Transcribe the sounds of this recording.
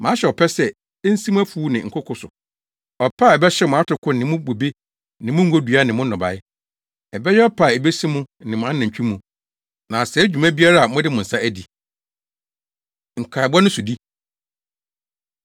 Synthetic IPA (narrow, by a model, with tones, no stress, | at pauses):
mã˨˦ɕɛ˨ɔ˨pʰɛ˦sɛ˨˦ | n̩˦sĩ˦m̃˦æ˦fuː˦nɪ̃˨ŋ̩˨kʰʊ˦kʰʊ˦sʊ˨ | ɔ˨pʰa˦˨ɛ˨bɛ˦ɕɛ˦mʊ̃˨a˦tʰʊ˨kʰʊ˦nɪ̃˨mʊ̃˦bo˨be˦ | nɪ̃˨mʊ̃˦ŋ̩˦ɡo˦dɥa˦nɪ̃˨mʊ̃˦nɔ̃˨ba̰˨ɪ˦ | ɛ˨bɛ˦jɛ˦ɔ˦pʰa˨ɛ˨be˦sĩ˦mũ˦n̩˦nɪ̃˨mʊ̃˨a˦nã˨ɲ˨t͡ɕᶣĩ˦mũ˨ | nã˨sɛ˨˦d͡ʑᶣu˨mã˦bi˦a˦ɾa˦˨a˨mʊ̃˦dɪ˦mʊ̃˨n̩˨sa˦æ˦di˨ | ŋ̩˨kʰa˨bɔ˦nʊ̃˦sʊ˨di˦